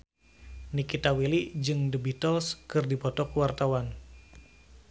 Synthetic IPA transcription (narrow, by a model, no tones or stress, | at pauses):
nikit̪awilid͡ʒɨŋdəbit̪ɔlskɨrdipɔt̪ɔkuwart̪awan